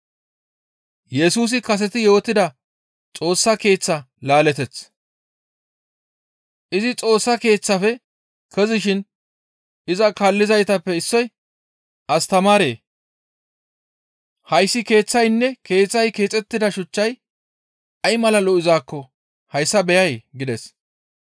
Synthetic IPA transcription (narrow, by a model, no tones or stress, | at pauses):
jɛsuːs̬ɪkɐs̬ɛt̪ɪjo̞ːt̪ːɪd̪ɐ | t͡sʼo̞ːsːɐke̞ːt͡sːɐ | laːlɛt̪ɛt͡s | ʔɪzɪt͡sʼo̞ːsːɐke̞ːt͡sːɐfɛ | kɛzɪʃɪn | ʔɪzɐkɐlːɪzɐjt̪ɐpːɛɪsːɔj | ɐst̪ɐmaːɾe̞ː | hɐjsːɪke̞ːt͡sːɐjnːɛke̞ːt͡sːɐjke̞ːt͡sʼɛt̪ːɪd̪ɐʃʊt͡ʃːɐj | ɐjmɐlɐlɔʔɪzaːkːɔ | hɐjsːɐbɛjɐjɡɪd̪ɛs